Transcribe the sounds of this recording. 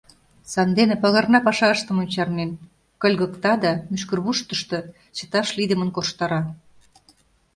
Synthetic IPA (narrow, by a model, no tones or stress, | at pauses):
sɑnd̪enĕpɑɣɑrnɑpɑʃɑəʃt̪ə̆monʲt͡ɕɑrnen | kɤ̆lʲɣə̆kt̪ɑd̪ɑmyʃkə̆rβuʃt̪ə̥̆ʃt̪ɤ̆ | t͡ɕə̥̆t̪ɑʃlid̪ə̆mənkoʃt̪ɑɾɑ